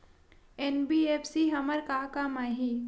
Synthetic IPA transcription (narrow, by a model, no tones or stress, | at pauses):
enbiːeːpsiɦɐməɾkaːkaːmaɦiː